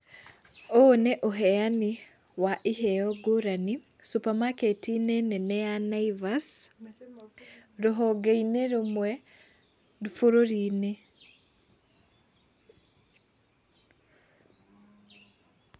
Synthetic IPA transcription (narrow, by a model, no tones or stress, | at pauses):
oneʔoɦɛani | waʔiɦɛɔɡoɾani | supamaketinenɛnɛanaivas | ɾoɦɔɡeineɾomwɛ | dufoɾoɾiːne